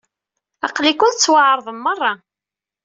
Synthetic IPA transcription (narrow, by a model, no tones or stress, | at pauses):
ɑqlikʷːʊnt͡sːwəʕəɾˤðˤəmːərˤːɑ